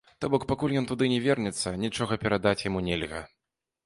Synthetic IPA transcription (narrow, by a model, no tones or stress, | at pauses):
t̪ɔbɔkpakulʲjɔnt̪ud̪ɨnʲɛvʲɛrnʲɛt̪sːɐnʲit͡ʂɔɣɐpʲɛɾad̪at͡sʲjamunʲɛlʲɣɐ̰